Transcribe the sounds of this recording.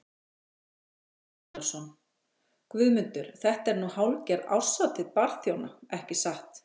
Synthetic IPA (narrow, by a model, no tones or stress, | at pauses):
lsɔn | kvʏðmʏnt̪ʏɾ̥θɛht̪ɛɾnuhawlcɛɾa̰wsat̪ʰɪðpaɾθjowna̰ɛhcɪsaht̪